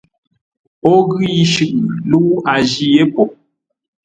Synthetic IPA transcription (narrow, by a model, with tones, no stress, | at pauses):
ɔ˦ɣi˦ji˦ʃʉ˨ʔlu˦a˨ʒi˦je˦pɔ˨